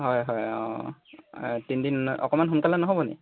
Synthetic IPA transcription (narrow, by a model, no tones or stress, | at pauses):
ɦɔjɦɔjɔ̰ | tindinɔ̰kɔmanɦunkalɛnɔɦobɔnɛ̰